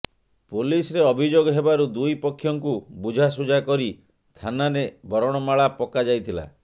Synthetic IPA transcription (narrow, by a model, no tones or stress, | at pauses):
pulisɔɾeɔbʱid͡ʒoɡɔɦebaɾud̪ujpɔkʰːjɔŋkubud͡ʒʱas̬ud͡ʒakɔɾi | t̪ʰanaɾebɔɾɔɽ̃ɔmaɭapɔkad͡ʒajt̪ʰila̰